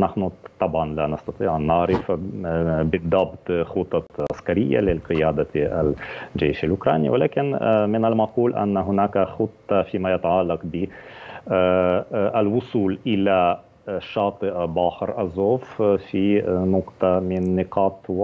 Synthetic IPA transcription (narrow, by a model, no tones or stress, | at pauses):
naħnʊt̪ˤːɑbʕɑnlaːnɑst̪ɑt̪ˤiːʕʔanːɑʕɾɪf | bɪd̪ˤːɑbt̪ˤxʊt̪ˤːɑʕa̰skaɾɪjːa̰lɪlqɪjaːd̪aa̰ld͡ʒeːʃalʔʊkɾˤɑ̰ːnḭwalaːkɪnmɪnalmɑquːlʔa̰nːaɦʊnaːkaxʊt̪ˤːɑfiːmajat̪aʕɑlːɑqbɪ | ʔalwʊsˤuːlʔɪla | ʃːɑːt̪ˤɨʔbaːħɾʔazoːffinʊqt̪amɪnːɪqʰɑːt̪ˤw